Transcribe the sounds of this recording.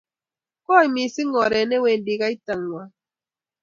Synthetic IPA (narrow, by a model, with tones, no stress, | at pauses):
kɔ˦˨i˨mi˨si˦ŋɔ˨ɾɛ˨nɛ˦we˨n˦di˨ɣa˦i˦ta˨ŋːwa˦